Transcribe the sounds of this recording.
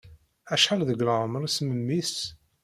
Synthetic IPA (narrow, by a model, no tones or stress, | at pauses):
æʃħalðəɡɾəʁmɾˤisməmːis